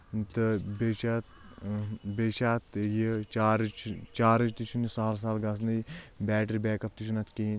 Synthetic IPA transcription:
t̪ɨbet͡ʃat̪ | bet͡ʃaːt̪jit͡ʃaːɾt͡ʃʰt͡ʃaːɾɨt͡ʃt̪it͡ʃʰunisaːls̬aːlɡɐs̬nɐbɛːʈɐɾʲbeːkɐp̚t̪it͡ʃʰunɐt̪ki

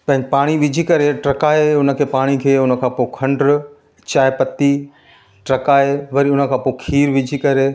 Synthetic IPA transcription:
pɐ̃ɦɪ̃ɡpaːɽ̃iʋɪd͡ʑʱikɐɾeʈɾɐkaːeʊnə̆kʰeːpaːɽ̃ikʰeːʊnə̆kʰãːpokʰɐ̃ɳɖɾ | t͡ɕaːepɐt̪i | ʈɾɐkaːeʋɐɾiʊnə̆kʰãːpoːɪkʰiːɾʋɪd͡ʑʱikɐɾe

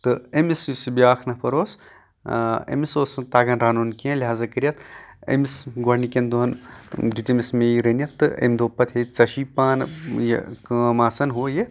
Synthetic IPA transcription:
t̪ɨemisisibiaːkʰnɐpɐɾoːs | ḛmisoːsɐnt̪aːɡɐnɾaːnoːnkiẽliɦaːzɐkɐɾijɐt̪ḛmisɡɐɾnikʲend̪uɦɐnd̪it̪emismeiɾenʲjɐt̪ːɨḛmd̪oːpɐt̪ɦet͡sɐʃiːpaːnjḛkmaːsɐnɦoːje

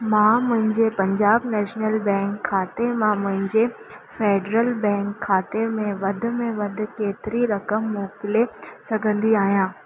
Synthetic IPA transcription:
mãːmʊ̃ɦɪ̃ɲd͡ʑepɐ̃ɲd͡ʑaːbnɛːʃnəlbɛ̃ːŋkʰːaːt̪emãmʊ̃ɦɪ̃ɲd͡ʑe | feːɖɾəlbɛ̃ːŋkʰːaːt̪emẽʋɐd̪ʱʊ̆mẽʋɐd̪ʱʊ̆keːt̪ɪɾiɾɐkəmːɔːkɪlesɐɡʱə̃nd̪iaːɦijãː

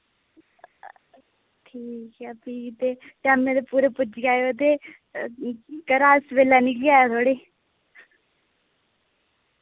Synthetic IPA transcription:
ʈʰiːkɛːpiːkt̪eːt̪eamẽd̪epuːɾepʊd͡ʒɡaːeot̪eː | kəɾaːsʋeːlaːniklɪjaːjaːt̪ʰoːɽeː

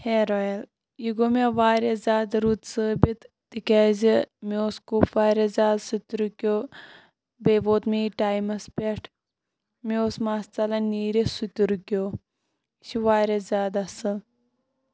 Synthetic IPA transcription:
heːɾojel | jiɡomeʋaːɾezʲaːd̪ɾut̪səːbit̪ | t̪ikaːzimioːskupʋaːɾʲezʲaːd̪sut̪ʲuɾkʲoː | beːʋoːt̪miiʈaːjmɐspeʈʰ | meoːsmaːst͡sɐlɐniːɾisut̪uɾukʲoː | ʃiʋaːɾʲezʲaːd̪ɐsɨl

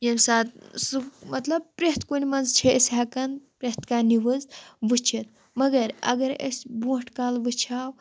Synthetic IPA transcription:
jemsaːt̪sɨmɐt̪lɐb̚pɾeɦt̪ʰkunʲmɐnzt͡ʃʰesʲɦakɐnpɾet̪ʰkaːniʋɨzʋɨt͡ʃʰit̪ | mɐɡɐɾɐ̰ɡɐɾɐ̰sʲbũːʈʰkaːlʋɨt͡ʃʰaːw

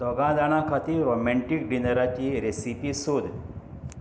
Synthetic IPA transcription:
d̪ɔɡãd̪aɽ̃ãkʰat̪iːɾɾomɛ̃ɳʈik̚ɖinəɾat͡ɕiːɾesipisod̪

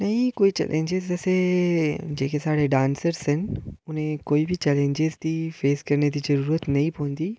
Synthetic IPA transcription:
nɐĩkoːit͡ʃɛ̰lʔḛ̃ɲd͡ʒezɐse | d͡ʑeːkesaːɽ̤eɖãːnsəɾsɦɪn̆ʊnɦẽkoːibɪt͡ʃɛːlẽɲd͡ʒezt̪ifeːzkɐɾned̪izɐɾuːɾət̪nɐĩpoɦə̃nd̪iː

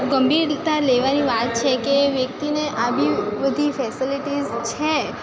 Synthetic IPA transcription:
ɡəmbiɾt̪aleʋaniʋat̪̚t͡ʃʰekeʋjəkt̪ineʔaʋiʋəd̪ʱifɛsiliʈizt͡ʃʰe

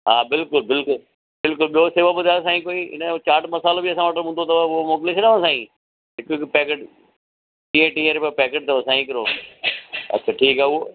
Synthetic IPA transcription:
ɦaːbɪlkʊlbɪlkʊl | bɪlkʊlɓijoseːʋəbʊd̪ʱaːs̬aːĩkoːiːɪ̰nət͡ɕaːʈmɐsaːlobʱiɐsãʋɐʈɦũnd̪ot̪ɐʋʊomoːk̬ɪlet͡ʃʰɐɗaʋãsãːĩː | ɦɪkɪkpɛːkeʈ | ʈĩːẽʈĩːẽɾpapɛːkeʈ̚t̪ɐʋsãːĩkɐɾoː | ɐ̰t͡ɕʰɐʈʰiːkaːʊo

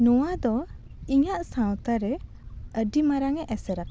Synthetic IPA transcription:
nɔwad̪ɔ | iɲaʔsãwt̪aɾɛ | əɖimaɾaŋɛʔɛsɛɾa

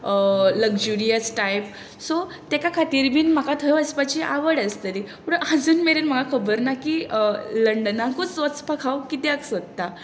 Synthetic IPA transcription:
ləɡd͡ʑuɾijəsʈajp | so | t̪jakakʰat̪iːɾbiːnm̤akat̪ʰəjəspat͡ɕiʔa̰ʋəɽəst̪əɾipuɽəəd͡zuːnmeɾenm̤əɡakʰəbəɾnakiləɳɖənakut͡sʋət͡spakʰawkit̪eaksət̪t̪ːa

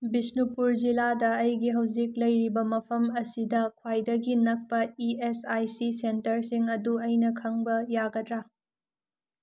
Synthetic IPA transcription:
bisnupuɾd͡ʒiladɐːjɡiɦɐwziklɐjɾibɐmɐpʰɐmɐsidɐkʰwajdɐɡinɐk̚pɐiesajsisentɐɾsiŋɐduɐjnɐkʰɐŋbɐjaɡɐdɾa

